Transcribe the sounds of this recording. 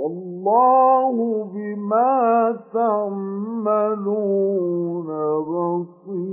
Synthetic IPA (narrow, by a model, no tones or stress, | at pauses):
ʔɑlːaːhʊbɪmaːt̪aʕː | aluː | nabasi